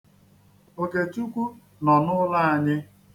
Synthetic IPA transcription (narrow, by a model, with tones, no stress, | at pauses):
o˦ke˨tu˦kʷu˦ | nɔ˨nʊ˦la˦˨a˨ɲɪ˦